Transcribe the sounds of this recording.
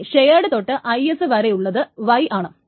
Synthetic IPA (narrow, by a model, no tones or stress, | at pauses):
ɕejaːɽɨt̪o̞ʈːɨʔɐjesɨʋɐɾejuɭːɐðɨʋɐjʔaːɳɨ